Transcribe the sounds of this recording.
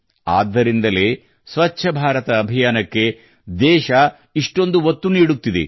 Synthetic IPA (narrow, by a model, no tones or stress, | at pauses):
a̰ːd̪ːɐɾind̪ɐle̞ː | sʋɐt͡ʃːʃʰɐbʱaːɾɐt̪ɐːbʱijaːnɐkːe̞ | d̪ɛːʃɐ | iʂʈo̞nd̪uʋɐt̪ːuniːɽut̪ːid̪ḛ